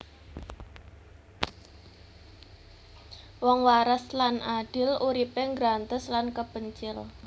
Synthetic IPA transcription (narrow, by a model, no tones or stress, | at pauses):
wɔŋwaɾəslanaɖ̥ɪ̤luɾipeŋɡɾant̪əslankəb̥əɲt͡ʃɪl